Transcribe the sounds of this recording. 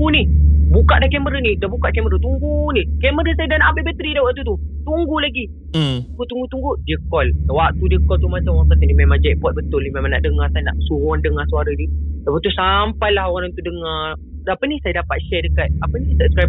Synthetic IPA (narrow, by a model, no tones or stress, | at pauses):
unibukaʔdakɛməɾənidabukaʔ̚kɛməɾət̪uŋɡunikɛməɾəsajadanaʔambabət̪əɾidawaʔt̪ut̪ut̪uŋɡulaɡi | t̪uŋɡut̪uŋɡut̪uŋɡudiəkɔlwaʔ̚t̪udiəkɔlt̪umat͡ʃamaŋkat̪ənimemaŋd͡ʒaʔpɔt̪̚bət̪ʊlnimemaŋna̰ʔdəŋasajana̰ʔsuɦɔndəŋasuaɾənidawət̪usampajlaɦoɣaɾant̪udəŋa | apənisajadapat̪̚ʃɛdəkat̪̚apənisəbskaj